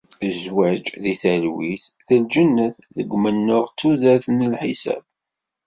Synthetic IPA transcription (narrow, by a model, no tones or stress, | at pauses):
əzwæd͡ʒðiθælwisθəld͡ʒənːəθðəɡʷːmənːʊʁt͡sːuðæθnəlħisæ̰b̥̚